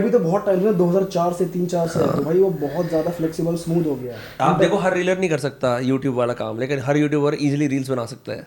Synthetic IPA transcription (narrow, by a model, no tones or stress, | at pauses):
ɐbʱit̪obɔɦɔt̪̚ʈːaːɪlẽd̪oːɦɐzaːɾt͡ʃaːɾset̪iːnt͡ʃaːɾseɛ̰t̪obʱaːiʋobɔɦɔt̪zjaːd̪aflɛːksɪbəlsmuːd̪ʱɦoɡɐjaːɦɛ | aːp̚d̪eːkʰoɦɐɾːiːləɾnəɦĩkɐɾsɐk̚t̪ajuːʈjuːbʋaːlaka̰ːmleːkɪnɦɐɾjuːʈjuːbɐɾiːzliɾiːlsbɐnaːsɐk̚t̪a̰ɦɛ̰ː